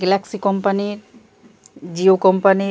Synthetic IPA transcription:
ɡelaksikɔmpaniɾ | d͡ʑiokɔmpani

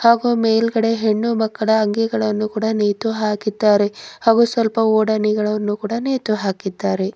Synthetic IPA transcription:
haːɡuːmeːjlɡɐɽe̞ɦeɳːumɐkːɐɽɐːŋɡɛɡɐɭɐnːukuːɽɐneːt̪uɦaːkid̪ːaːɾe̞haːɡuːsʋɐlpɐoːɽɐniɡɐɭɐnːukuːɽɐneːt̪uɦaːkid̪ːaːɾe̞

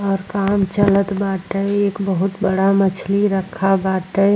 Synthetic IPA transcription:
ɔːɾkaːmt͡ʃələt̪baːʈəeːkbəɦʊt̪bəɽamət͡ʃʰliɾəkʰːabaːʈə

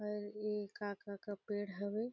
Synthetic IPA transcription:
əɾeːkaːkakapeːɽɦɐʋe

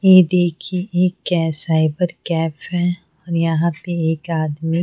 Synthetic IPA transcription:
jeːd̪eːkʰieʔeːkːɛːsaːɪbəɾkɛːfɦɛ | ɔːɾjɐɦãpeeːkaːd̪mi

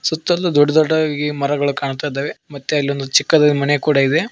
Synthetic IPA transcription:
sut̪ːɐlːud̪ɔɖːɐd̪ɔɖːɐɡimɐɾɐɡɐɭukaːɳt̪aːjid̪aːʋemɐt̪ːeɐlːiond̪ut͡ʃikːɐd̪ɐlimɐnekuːɽɐid̪e̞

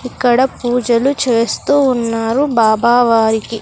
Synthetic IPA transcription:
ikːɐɽɐpuːd͡ʒɐlut͡ʃe̞ːst̪uːnːaːɾubaːbaːʋaːɾiki

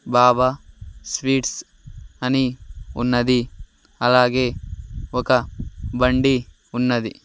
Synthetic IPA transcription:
baːbɐsʋiːʈs | ɐniṵnːɐd̪i | ɐlaːɡeːɔkɐbɐɳɖi | unːɐd̪i

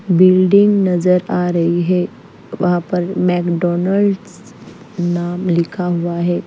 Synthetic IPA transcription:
bilɖiŋɡnəd͡zəɾaɾəiɦe | ʋɦapəɾmɛkɖɔnəlɖs | namlikʰaɦoʋaɦe

